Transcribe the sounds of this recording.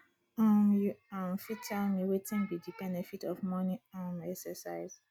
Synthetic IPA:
ɔ̃mjuãmfitʰalmiwetʰĩnbidibɛnɛfitɔfmɔ̃niɔ̃mɛksɛsaɪz̥

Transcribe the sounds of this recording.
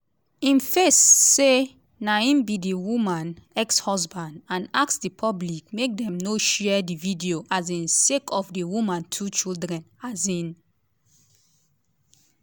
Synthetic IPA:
ĩnfesːe | naĩnbidiwumãnɛkshɔzbãndãnaksdipʰɔblik̚mek̚dɛ̃mnoʃɛdividioʔazĩnsekʰɔfdiwumãntʰut͡ʃildɹɛ̃nazĩn

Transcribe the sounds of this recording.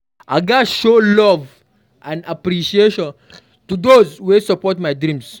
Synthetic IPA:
ʔaɪɡaʃolɔv | ʔãnapɾiʃieʃɔ̃n | tud̪ozwesəpɔtmajdɾĩms

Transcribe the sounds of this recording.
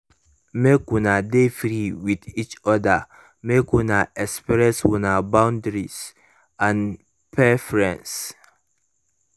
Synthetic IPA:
mekwunadefɹiwidit͡ʃɔda | mekwunaʔɛkspɹɛswũnabãʊ̃ndɹis | ãn | pʰɛfɔɹɛ̃ns

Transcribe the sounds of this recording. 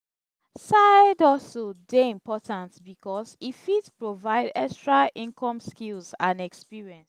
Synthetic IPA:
saɪdɔlsodeĩmpɔtʰãntbikɔsifitpɹovaɪdɛkstɹaʔĩnkʰɔ̃mskilzãnɛkspiɹiɛ̃ns

